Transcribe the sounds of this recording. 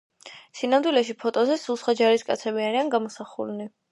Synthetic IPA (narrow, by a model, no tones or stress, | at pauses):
sinamd̪wilɛʃ̬ipʰɔt̪ʼɔzɛsulˠsχwad͡ʒaɾiskʼa̰t̪sʰɛbiaɾianɡamɔsaχṵlni